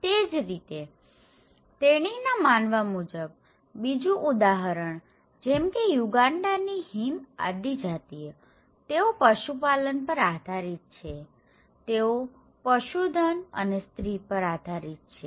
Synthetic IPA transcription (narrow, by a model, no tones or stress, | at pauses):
t̪ed͡ʒɾit̪e | t̪eɽ̃inamanʋamud͡ʒəb̚ː | id͡ʒuʔud̪aɦəɾəɳ | d͡ʒɛmkejuɡaɳɖaniɦima̰d̪id͡ʒat̪ije | t̪eopəʃupalənpəɾad̪ʱaɾit̪̚t͡ʃʰe | t̪eo | pəʃud̪ʱənə̰nest̪ɾipəɾad̪ʱaɾit̪̚t͡ʃʰe